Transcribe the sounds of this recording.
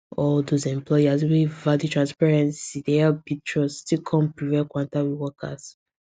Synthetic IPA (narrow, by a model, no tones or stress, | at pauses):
ɔldozɛ̃mplɔjazwivaditʰɹãnspɛɹɛ̃nsidɛɛbitʰɹɔstikʰɔ̃mpɹivɛkwãntawiwɔkʰa̰s